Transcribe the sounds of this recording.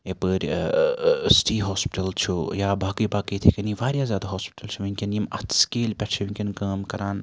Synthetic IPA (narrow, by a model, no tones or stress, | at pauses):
epəɾʲ | sʈʰiːɦoːspɪʈɐlt͡ʃʰujaːbaːkiːbaːkit̪ʰikɐniʋaːɾʲjaːzjaːd̪aɦoːspi̥ʈɐlt͡ʃʰuʋiŋkʲinimɐ̰t̪ʰskeːlpʲɛt͡ʃʰiʋĩŋkʲinkaːmkɐɾaːn